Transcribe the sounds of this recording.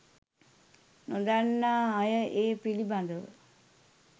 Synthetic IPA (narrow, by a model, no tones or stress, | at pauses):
nod̪anːaːjəʔeːpiliband̪əʋə̰